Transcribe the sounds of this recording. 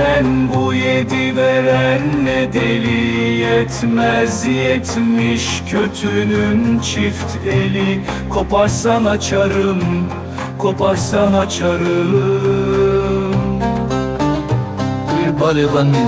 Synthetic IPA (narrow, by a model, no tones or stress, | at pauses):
ænbujed̪iveɾænːɛd̪elijɛt̪ʰmɛzjɛt̪ʰmiʃcʰøt̪ʰynynt͡ʃʰift̪ʰelikʰo̞pʰaɾsanat͡ʃʰaɾɯm | kʰo̞pʰaɾsanat͡ʃʰaɾɯ | m | biɾbalevan